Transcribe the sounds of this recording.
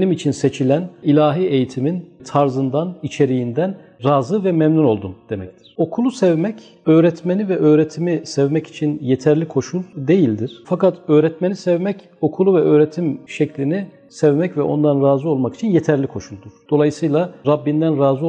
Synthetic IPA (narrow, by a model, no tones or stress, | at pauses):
nimit͡ʃʰinset͡ʃʰilʲænilʲaːɦiːe̞jit̪ʰimint̪ʰaɾzɯnd̪anit͡ʃʰe̞ɾijind̪ænɾaːzɯvɛmɛmnuno̞lˠd̪umd̪̥e̞mɛct̪ʰi̥ɾ̥o̞kʰulˠusɛvmɛc | øːɾɛt̪ʰmenivɛʔø̞ːɾet̪ʰimisɛvmɛci̥t͡ʃʰinjet̪ʰæɾlʲikʰo̞ʃulˠd̪e̞jilʲd̪iɾ̥fakat̪ø̞ːɾɛt̪me̞nisɛvmɛc | o̞kʰulˠuvɛʔø̞ːɾet̪ʰimʃɛcʰlʲini | sɛvmɛcvɛʔo̞̰nd̪anɾaːzɯo̞lˠmaki̥t͡ʃʰinjet̪ʰæɾlʲikʰo̞ʃulˠd̪uɾ̥d̪̥o̞lˠajɯsɯjlˠaɾabːind̪ænɾaːzɯ